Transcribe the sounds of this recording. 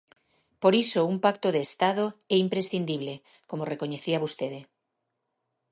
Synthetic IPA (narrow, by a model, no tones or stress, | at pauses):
poɾisoumpakt̪oðeːst̪að̞oɛimpɾesθind̪iβ̞le | komorekoɲeθiaβost̪eðe